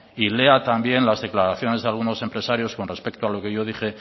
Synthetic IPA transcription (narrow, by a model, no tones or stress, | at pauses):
ile̞at̪ambje̞nlazðe̞klaɾaθjo̞ne̞zðealɣ̞uno̞se̞mpɾe̞saɾjo̞sko̞nre̞spe̞k̚t̪oalo̞ke̞ʝo̞ð̞ixe̞